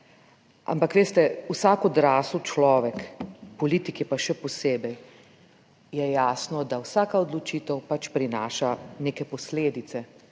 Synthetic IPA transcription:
a̰mpakʋeːst̪ɛwsaːkɔd̪ɾaːsut͡ʃlɔːʋɛkpɔliːt̪ikɛpaʃɛpɔseːbɛj | jɛjaːsnɔd̪awsaːkaɔd̪lɔt͡ʃit̪əwpat͡ʃpɾinaːʃaneːkɛpɔsleːd̪it̪sɛ

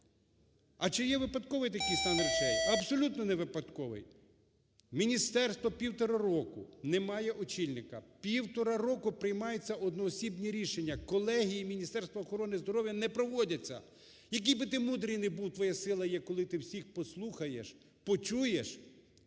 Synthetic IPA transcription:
ɐt͡ʃɪjɛʋɪpɐd̪kɔʋɪjt̪ɐkijst̪ɑnɾit͡ʃɛjɐbsɔlʲut̪nɔnɛʋɪpɐd̪kɔʋɪ̰j | mʲinʲist̪ɛrst̪ʋɔpʲiwt̪ɔɾɐɾɔkʊnɛmɑjɛʔɔt͡ʃilʲnɪkɐpʲiwt̪ɔɾɐɾɔkʊpɾɪjmɑjet͡sʲːɐʔɔd̪nɔːsʲibnʲiɾʲiʃenʲːɐkɔlˠɛɦʲijimʲinʲist̪ɛrst̪ʋɐːxɔɾɔnɪzd̪ɔɾɔʋʲjɐnɛpɾɔʋɔdʲɐt͡sʲːɐ̰ | jɐk̬ijbɪt̪ɪmud̪ɾɪjnɪbuwt̪ʋɔjasɪlˠɐjɛkɔlˠɪt̪ɪwsʲixpɔslˠuxɐjeʃ | pɔt͡ʃujeʃ

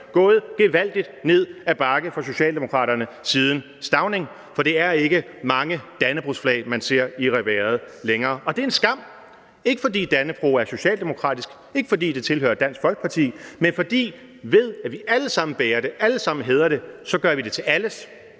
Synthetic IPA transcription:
ɡ̥ɔ̽ːð̞̩ˠɡ̥eʋæl̰d̥id̥ne̝ð̰ˠæb̥ɑ̈ɡ̥əfʁɑs̬o̝ɕɛ̰ːld̥emo̝kʰʁɑ̰̈ːɾɐnə | siːð̞ˠn̩ | sd̥ɑ̈ʊne̝ŋ | fɒ̽d̥e̝æɐe̝ɡ̥ə | mɑ̈ŋəd̥ænəb̥ʁusflɛ̰ːɪmænse̝ɐ̰iʁɛʋæːɐð̞ˠleŋɐːʔɒ̽d̥e̝e̝nsɡ̥ɑ̈m̰ | e̝ɡ̥əfɒ̽d̥ḭːd̥ænəb̥ʁṵːæɐso̝ɕɛ̰ːld̥emo̝kʰʁɑ̰̈ːd̥isɡ̥ | e̝ɡ̥əfɒ̽d̥ḭːd̥e̝t͡sʰe̝lhø̰ːɐd̥æn̰sɡ̥fɒ̽lɡ̥əpʰɑ̈t͡sʰḭːmenfɒ̽d̥ḭː | ʋe̝ð̞̰ˠæʋiæləsɑ̈m̰n̩b̥eːɐɾ̥e̝ʔæləsɑ̈m̰n̩ɦeːð̞ˠɐɾ̥e̝sɒ̽ɡ̥ɶɐʋid̥e̝t͡sʰe̝læləs

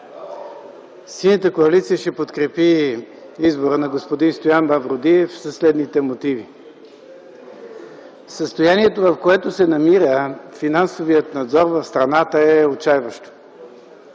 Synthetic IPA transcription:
sinət̪əkoɐlit̪sijəʃɛpot̪kɾɛpi | izboɾənɐɡospod̪inst̪ojanbɐvɾod̪iɛfsɐslɛd̪nit̪ɛmot̪ivi | səst̪ojaniɛt̪ovɐfkoɛt̪osɛnɐmiɾəfinansovijət̪nɐd̪zɔɾvɐfst̪ɾɐnat̪əɛot͡ʃajvəʃt̪o̥

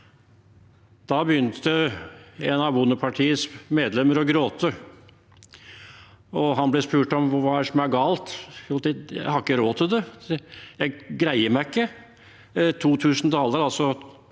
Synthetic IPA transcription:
d̪̥ɑbəjʏnt̪ʰə | enɑʋbʊnːəpʰɑʈʰiːəsmeːd̪lɛmːəɾɔɡɾoːt̪ʰə | ɔɦɑnblɛspʉːʈɔmʋɑːæʂɔmjææɾɡɑːlt̪ːlt̪ɪjæ̰hɑɾɪkːəɾoːt̪ʰɪld̪ɛ | jæɪɡɾæɪəɾmæɪkːə | t̪ʰuːt̪ʰʉːsn̩t̪ʰɑːləɾɑlsɔ

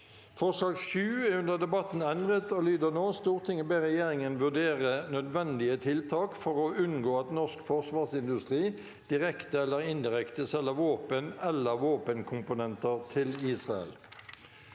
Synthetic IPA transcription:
fɔʁʂlɑːɡʃʉːæʁʉnd̪əd̪ɛbɑt̪n̩ɛnd̪ʁət̪oːlyːd̪əʁnoːst̪uːʁt̪ʰɪŋːəbeʁɛjeːʁɪŋənʋʉʁd̪eːʁənœd̪ʋɛnd̪ɪət̪ʰɪlt̪ʰɑːkfɔʁoʉnɡoːɑt̪nɔʁskfɔʁsʋɑːʁsɪnd̪ʉst̪ʁiː | d̪̥ɪʁɛkt̪əɛlːəʁɪnd̪ɪʁɛkt̪əsɛlːəʋoːpənɛlːəʁʋoːpənkʰʊmpʊnɛnt̪əʁt̪ʰɪliːsʁɑɛ̰l

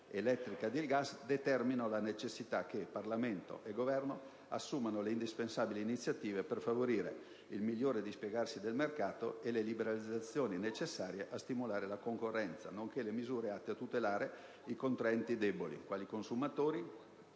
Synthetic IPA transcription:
elɛt̪ːɾikad̪ilɡasd̪et̪ɛrminolanet͡ʃesːit̪ak̟ːeparlament̪o̰ʔeɡovɛrno | a̰sːumanoleind̪ispensaːbiliːnit̪sːjat̪iːveperfavoɾiːɾḛ | ilmilːoːɾed̪ispjeɡarsid̪elmerkaːt̪o̰elelibeɾalid̪zːat̪sːjoːninet͡ʃesːaːɾjeʔast̪imulaːɾelakoŋkorːɛnt̪sa̰noŋkelemizuːɾeat̪ːeat̪ut̪elaːɾe | ikont̪ɾɛnt̪id̪ɛbolḭkwaːlikonsumat̪oːɾi

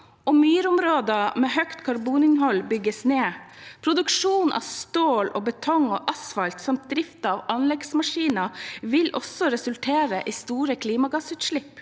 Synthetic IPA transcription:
ʔɔmyːɾəʊmɾoːd̪ɑmɛhœkt̪kʰɑɾbuːnɪnɦɔlbʏɡːəsneːpʰɾʊd̪ʉkʂuːnʔɑ̰ʋst̪oːlo̰ːbət̪ʰɔŋo̰ːʔɑsfɑlt̪sɑmt̪̚d̪ɾɪft̪ɑɑʋɑnlɛɡsmɑʂiːnɑʋɪlʔɔ̰sɔɾɛsʉlt̪ʰeːɾəʔiːst̪uːɾəkʰliːmɑɡɑsʉːt̪ʂɭɪpː

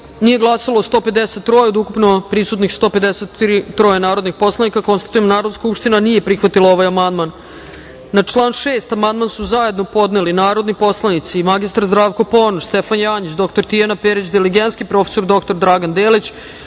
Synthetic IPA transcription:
nije̞ɡlˠasalˠoːst̪o̞ːped̪eset̪ːɾojeod̪ukupno̞pɾisut̪nixst̪o̞ːpe̞d̪eset̪ɾit̪ɾo̞jenaːɾo̞d̪nixpo̞slˠanikako̞nst̪ḁt̪ujemd̪naːɾod̪nskupʃt̪inanijepɾixʋat̪ilˠaoʋajamand̪manː | at͡ʂlˠaːnʃeːst̪amand̪mansuzajed̪no̞po̞d̪nelinaːɾo̞d̪nipo̞slˠanit̪simaɡist̪aɾzd̪ɾaːʋko̞po̞ːnoɾst̪efanjaːɲit͡ɕd̪o̞k̚t̪oɾt̪ijanapeɾit͡ɕd̪iliɡent̪skipɾo̞fe̥so̞ɾd̪o̞k̚t̪o̞ɾd̪ɾaɡand̪eːlit͡ɕ

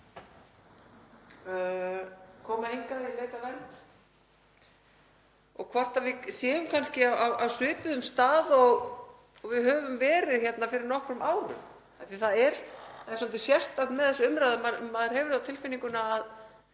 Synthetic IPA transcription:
kʰɔːmaejŋkaðɪaleːjt̪avɛɾt̪ | ɔɣkʰvar̥t̪avɪsjɛːʏmkʰanscɪaawawsʏːpʏðʏmst̪aːðɔɣ | ɔɣvɪðhœːvʏmvɛːɾɪðçjɛt̪nafɪɾɪɾnɔhkɾʏmaːwɾʏ̰m | ajθiθaɛɾθaðɛɾ̥sɔlt̪ɪsjɛsst̪at̪nmɛðθɛsʏʏmɾaðamamːaðɛɾhɛːvʏɾθawt̪ʰɪlfɪniŋkʏnaːð

